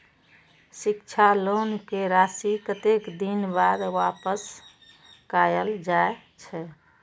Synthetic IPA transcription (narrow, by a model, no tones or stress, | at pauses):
sikt͡ʃʰalonkeɾasikət̪ekd̪inbad̪wapəs | kajəld͡ʒae | t͡ʃʰɛ